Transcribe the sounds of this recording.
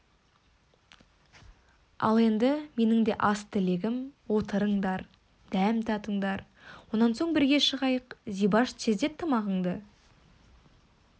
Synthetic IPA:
ɑ̰lˠe̞nd̪ɪme̞nɪŋd̪e̞ʔɑst̪ʰɪle̞ɡʲɪmwo̞t̪əɾəɴd̪ɑɾ | d̪̥æmt̪ʰɑt̪əɴd̪ɑɾ | wo̞nɑnso̞ɴbɪɾɡʲe̞ʃəʁɑjəqzijbɑʒsʰezd̪e̞p̚t̪ʰːəmɑʁəɴd̪ə

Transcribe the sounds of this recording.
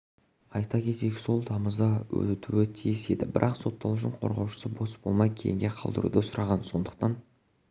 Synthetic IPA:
ɑjt̪ɑkʲʰe̞t̪e̞ɡʲɪso̞lˠt̪ʰɑməzd̪ɑwɵ̰t̪t̪ʰuwɪt̪ʰijɪse̞d̪ɪbɪɾʔɑqso̞t̪ːɑlˠuʊʃ̬ɪɴqʰo̞̰ɾʁɑwʃə̥səbo̞sb̥o̞lˠmɑjkʲʰejɪŋɡʲe̞qʰɑ̰lˠd̪ə̰ɾṵd̪əsʊɾʔɑʁɑnso̞nd̪əq̚t̪ɑn

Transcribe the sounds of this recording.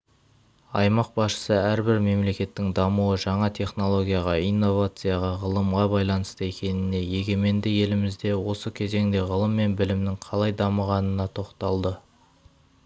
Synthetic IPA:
ɑ̰jmɑq̚bɑsʃə̥səæɾbɪɾme̞mle̞kʲe̞t̪ːɪŋd̪ɑmuwəʒɑɴɑt̪ʰe̞χno̞lˠo̞ɡʲijɑʁɑijnːo̞vat̪sɨjɑʁɑʁəlˠəmʁɑbɑjlˠɑnəst̪əe̞kʲe̞nɪne̞je̞ɡʲe̞me̞nd̪ɪje̞lɪmɪzd̪e̞wo̞səkʲʰe̞ze̞ŋd̪e̞ʁəlˠəmːe̞nbɪlɪmnɪŋqʰɑlˠɑjd̪ɑməʁɑnənɑt̪ʰo̞qt̪ɑlˠd̪ə

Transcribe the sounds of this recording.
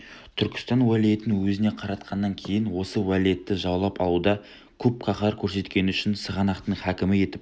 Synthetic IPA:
t̪ʰʏɾkʲɪ̥st̪ɑnwælije̞t̪ɪnɪwɵzɪne̞qʰɑɾɑt̪qʰɑnːɑŋkʲʰe̞jɪnwo̞səwælije̞t̪ːɪʒɑwlˠɑpɑlˠud̪ɑ | kʲʰɵp̚qʰɑqɑɾkʲʰɵɾse̞t̪kʲe̞nɪʏʃɪnsəʁɑnɑqt̪əɴχækʲɪmɪe̞t̪ɪp

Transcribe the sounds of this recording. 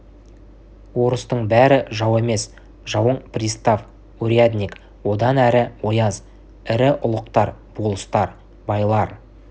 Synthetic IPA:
wo̞ɾəst̪əɴbæɾɪʒɑwe̞me̞s | ʒɑwəɴprʲist̪af | uɾʲijad̪ʲnʲik | wo̞d̪ɑnæɾɪwo̞jɑz | ɪɾɪʔʊlˠəqt̪ɑɾb̥olˠəst̪ɑɾ | bɑjlˠɑɾ

